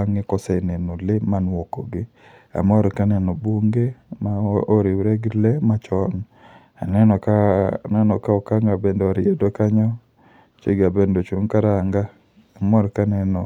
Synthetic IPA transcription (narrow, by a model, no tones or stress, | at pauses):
aŋɪkɔsɛnɛnolɪmanwɔko̰ɡɪ | a̰mɔɾkanɛnɔboŋɡemaoɾiwɾeɡlemat͡ʃɔn | a̰nɛnɔkanɛnɔkaɔkaŋɡabendoaɾɪedokaɲɔ | t͡ʃḛɡabendot͡ʃuŋkaɾaŋɡa | amɔɾkanɛnɔ